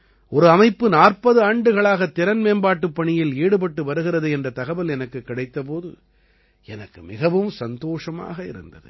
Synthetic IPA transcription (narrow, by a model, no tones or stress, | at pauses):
ʔɔɾɯɐmɐɪpːɯnaːrpɐðɯaːɳɖɯɣɐɭaːɣɐt̪ːɪɾɐnmeːnbaːʈːɯpːɐɳɪjɪleːɽɯpɐʈːɯʋɐɾɯɣɪɾɐðɯɛndrɐt̪ɐɣɐbɐlɛnɐkːɯkːɪɽɐɪt̪ːɐp̬oːðɯ̰ | ɛnɐkːɯmɪɣɐʋɯmsɐnd̪oːʂɐma̰ːɣɐɪ̰ɾɯ̰nd̪ɐ̰ðɯ̰